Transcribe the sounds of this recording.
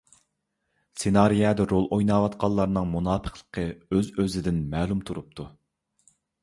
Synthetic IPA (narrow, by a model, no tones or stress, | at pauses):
senɑɾijɑd̪ɛɾolˠʔojnɑːwɑt̪qʰɑlˠːɑɾnɨŋmunɑːpʰə̥χlˠə̥qʰəøzøzɪd̪ɪnmɛːlˠumt̪ʰuɾup̚t̪ʰu